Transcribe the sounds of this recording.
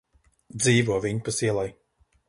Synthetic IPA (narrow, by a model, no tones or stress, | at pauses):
d̪ziːvuɔviɲpasiɛlˠaj